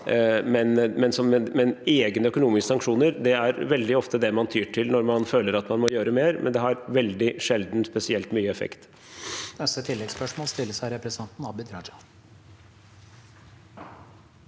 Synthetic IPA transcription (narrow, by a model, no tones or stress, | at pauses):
mɛnmɛnsɔmɛmɛneːɡnəœkʊnuːmɪskəsɑŋkʂuːnəɾd̪ɛæɾʋɛld̪ɪɔft̪əd̪ɛmɑnt̪ʰyːʈʰɪlnɔɾmɑnføːləɾɑt̪mɑnmɔjøːɾəmeːɾmʔɛ̰nd̪ɛɦɑɾʋɛld̪ɪʂɛld̪n̩spɛsɪɛlt̪myːəɛfɛ̰kt̪ | nɛsət̪ʰɪlːɛɡspœʂmoːlst̪ɪlːəsæɪɾɛpɾɛsɑnt̪n̩ɑːbɪd̪ɾɑd͡ʒɑ